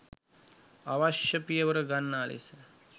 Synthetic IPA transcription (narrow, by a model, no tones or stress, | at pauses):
aʋaʃjɐpijəʋəɾəɡanːaːlḭsə